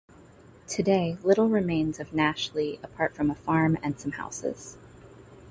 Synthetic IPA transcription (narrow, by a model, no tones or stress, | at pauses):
tʰɨdeɪlɪɾl̩ˠɹɨmẽɪ̃nzʌvnæʃl̩ˠiəpʰɑɹtfɹʌ̃məfɑɹmɨ̃nsʌ̃mha̰ʊsɪ̰z̥